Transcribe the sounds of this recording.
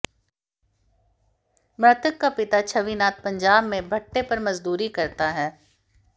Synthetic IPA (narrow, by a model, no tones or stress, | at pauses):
mɾɐt̪əkːapɪt̪at͡ʃʰɐʋinaːt̪̚pɐ̃ɲd͡ʒaːbmẽbʱɐʈːepɐɾmɐzd̪uːɾikɐɾt̪aɦɛː